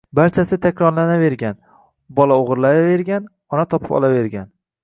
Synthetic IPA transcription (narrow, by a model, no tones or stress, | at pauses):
baɾt͡ʃʰasɪt̪ʰakʲɾɒɾlanave̞ɾɡʲan | bɒlaoʁɾlave̞ɾɡʲan | ɒnat̪ʰɒpʰɪ̥pɒ̰lˠave̞ɾɡʲan